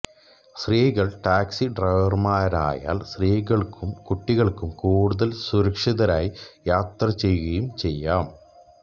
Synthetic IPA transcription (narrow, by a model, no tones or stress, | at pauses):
sriːɣɐɭʈaːksiɖrɐjʋɐrmaːɾa̰ːja̰ːlsriːɣɐɭkumkuʈːiɣɐɭkumkuːɽuðɐlsuɾɐkʂiðɐɾaːjijaːt̪rɐt͡ɕe̞jːuɣɐjumt͡ɕe̞jːaːm